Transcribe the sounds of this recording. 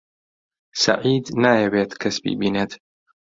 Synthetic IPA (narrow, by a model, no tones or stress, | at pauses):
sɐ̰ʕiːd̪naːjɐweːt̪kʰɐsbḭːbiːneːt̪